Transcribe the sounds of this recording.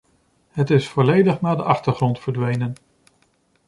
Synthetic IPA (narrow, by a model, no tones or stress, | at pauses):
ɦətɪsfɔlejdəχnaːdəʔɑχtəɹχrɔntfəɹdʋejnən